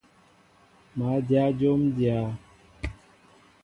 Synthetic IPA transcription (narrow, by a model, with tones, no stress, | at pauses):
ma˨˦dja˦d͡ʒo˦mdja˦